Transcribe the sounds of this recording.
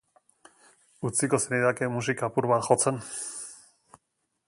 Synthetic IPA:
ut͡siko̞seniðakemus̬ikaːpuɾβat̪xo̞t͡se̞n

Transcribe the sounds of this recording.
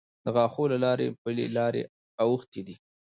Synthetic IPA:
d̪̥əɣɑxolalɑɾḛpəlḛlɑɾḛ | awəxt̪id̪i

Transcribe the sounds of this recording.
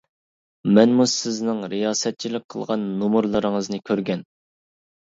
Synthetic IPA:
mɛnmusɪznɪŋɾijɑːsɛt̪̚t͡ʃʰilɪk̚ʲqʰə̰lˠʁɑ̰nːumuɾlˠɨɾɨŋəznɨkʲʰøɾɡʲɛn

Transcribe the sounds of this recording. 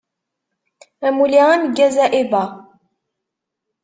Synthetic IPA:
æmuliʁanɡæzæʔiba

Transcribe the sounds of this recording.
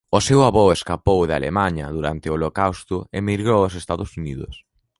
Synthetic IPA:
osewaβɔeskapowða̰lḛmaɲɐðuɾa̰nt̪ɪoolokawst̪ʊemiɾɣɾowosest̪aðʊsuniðʊ̰s

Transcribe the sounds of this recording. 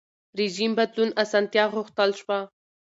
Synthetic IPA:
ɾed͡ʒimbad̪lunasɑnt̪jɑɣʊxt̪əlʃwa

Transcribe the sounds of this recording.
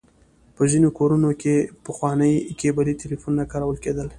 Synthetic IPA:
pəzinokoɾunokepəxwɑnəjkebalit̪elifunːakɑɾawəlked̪əl

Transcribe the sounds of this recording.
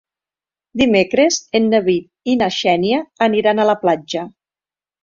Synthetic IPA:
d̪imekɾezenːəβit̪̚inaʃɛniəːniɾanaləplad͡ʒə

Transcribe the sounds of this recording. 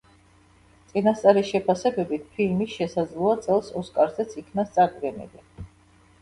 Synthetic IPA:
t̪sʼinast̪sʼaɾiʃɛpʰasɛbɛbit̪̚ʰpʰilmisʃɛsad̪zlˠɔat̪sʼɛlˠsɔskʼaɾzɛt̪sʰikʰnast̪sʼaɾd̪ɡɛnḭli

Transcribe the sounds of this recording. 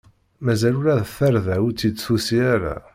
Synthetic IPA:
mæzælʊɾæðθæɾðæwt͡sːid̪susiaɾa̰

